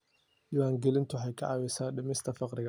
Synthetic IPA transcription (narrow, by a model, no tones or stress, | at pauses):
diːwaːŋɡɛlɪnt̪ʰʊħɛjkʰɐʕɑːwɛsaːɖɪmɪst̪ʰɐfɑqɾɪɣɐ